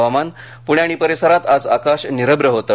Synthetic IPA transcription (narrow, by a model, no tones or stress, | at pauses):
ʋaman | puɳjaɽ̃ipəɾesəɾat̪ad͡zakaɕniɾəbɾəɦot̪ə